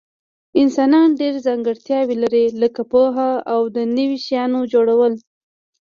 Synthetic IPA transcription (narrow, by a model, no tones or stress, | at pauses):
ɪnsɑnɑnɖeɾzaŋɡəɽt̪jɑwelaɾeləkapoɦaawd̪ənəwiʃjɑnod͡ʒoɽawəl